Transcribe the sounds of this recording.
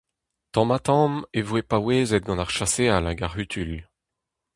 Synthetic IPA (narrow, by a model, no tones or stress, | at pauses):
t̪ɑ̃mat̪ɑ̃mevwepaweːzɛt̪̚ɡɑ̃naʁʃasealaɡaʁyt̪ʰyl